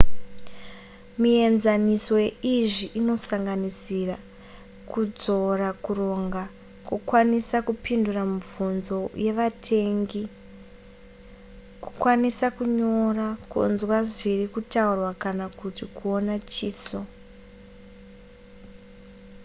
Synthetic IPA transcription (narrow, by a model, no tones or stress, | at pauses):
mie̞nzaniso̞eiʐiʔino̞saŋɡanisira | kud͡zo̞rakuro̞ŋɡa | kukwanisakupinduramuvunzo̞je̞ʋatʰe̞ŋɡi | ku̥kwanisakuɲo̞rakṵnzwaʐirikutaurwakanakutikuonat͡ʃiːso